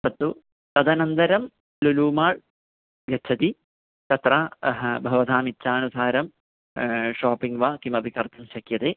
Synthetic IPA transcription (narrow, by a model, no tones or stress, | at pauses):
sɐt̪ːu | t̪ɐd̪ɐnɐnd̪ɐɾɐm | luluːmaːɻ | ʋjɐtːt͡ʃʰɐt̪i | t̪ɐt̪ɾaːbʱɐʋɐd̪ʱaːmitːʃaːnusaːɾɐm | ʃoːpiŋɡʋaːkimɐbʱikɐɾt̪ɐmʃɐkjɐt̪eː